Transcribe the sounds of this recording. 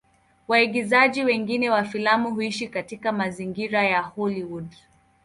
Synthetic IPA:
waiɡizaʄiwɛŋɡinɛwafilamuɦuiʃikatikamaziŋɡiɾajahɔliwud

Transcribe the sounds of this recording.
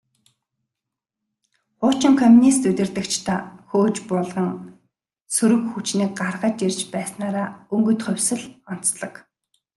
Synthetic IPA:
χʊːt͡ɕɪ̆ŋkʰɔmʲunist̪ut̪ʲɪ̆rt̪ɘ̆kt͡ɕʰt̪ʰaxoːt͡ɕpʊːɮʁə̆ŋ | suɾɵ̆kxut͡ɕniːk̚ɢarʁə̆t͡ɕirʲt͡ɕpæːsnaːɾaːɵŋɡɵ̆jt̪χʊ̟wʲsɘ̆ɮɔn̥t͡sɮɞ̆k

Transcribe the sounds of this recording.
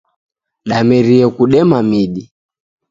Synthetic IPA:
ɗamɛɾiɛkuɗɛmamiɗi

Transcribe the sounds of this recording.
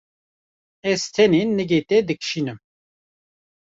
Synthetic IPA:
ɛz̥t̪ʰɛnenːɨɡet̪ɛd̪ɨkʰʃiːnɨm

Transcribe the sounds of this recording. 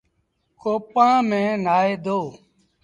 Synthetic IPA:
koːpãːmẽːnaːeːd̪oː

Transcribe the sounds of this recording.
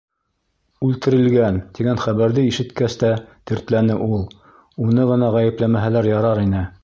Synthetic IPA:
ʉlt̪ɘ̆ɾɘ̆lɡænt̪iɡænχæβæɾðɘiʃɘ̆t̪kæst̪æt̪ɘ̆ɾt̪lænɘʔulˠ | unɤʁɤ̆nɑʁæjɘ̆plæmæɦælæɾjɑɾɑɾinɘ

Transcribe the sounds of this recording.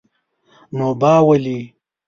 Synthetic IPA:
noːbaːwɐli

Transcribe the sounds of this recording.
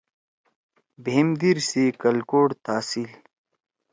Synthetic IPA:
bʱemd̪iɾsikɐlkoːɽt̪aːsil

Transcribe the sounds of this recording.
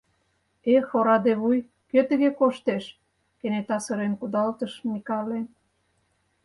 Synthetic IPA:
exoɾɑd̪eβuj | køt̪ə̆ɣekoʃt̪eʃ | kenet̪ɑsə̆ɾenkud̪ɑlt̪əʃnikɑlen

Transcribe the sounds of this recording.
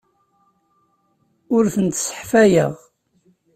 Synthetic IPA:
ʊɾθənt̪sə̥ħfæjə̰ʁ

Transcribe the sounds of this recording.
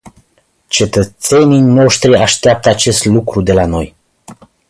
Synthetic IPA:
t͡ʃe̞t̪ət̪se̞nijno̞ʃt̪ɾiaʃt̪eap̚t̪əat͡ʃe̞st̪lukɾud̪e̞lano̞j

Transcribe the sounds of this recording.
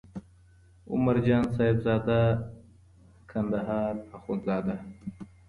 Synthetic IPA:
ʊ̰maɾd͡ʒɑːnsɑːɪbzɑːd̪a | kʰand̪aɦɑːɾpaxunzɑːd̪a

